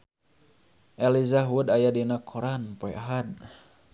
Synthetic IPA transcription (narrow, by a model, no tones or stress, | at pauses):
ʔɛlizaɦudajadinakʰoɾanpɔɛ̰ʔaɦad̪̚